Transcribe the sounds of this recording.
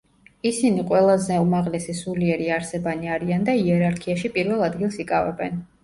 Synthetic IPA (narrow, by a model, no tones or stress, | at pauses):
isiniqʼwɛlˠazɛumaʁlɛsisuliɛɾiaɾsɛbaniaɾiand̪aiɛɾaɾkʰiaʃipʼiɾvɛlˠad̪ɡilˠsikʼavɛ̰bɛn